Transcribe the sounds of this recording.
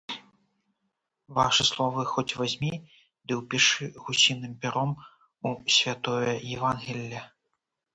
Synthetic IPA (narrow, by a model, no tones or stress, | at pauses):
vaʂɨslˠɔvɨxɔt͡sʲvazʲmʲi | d̪ɨwpʲiʂɨɣusʲinɨmpʲɛɾɔm | usʲvʲat̪ɔjɐjɛvanɣʲilʲːɐ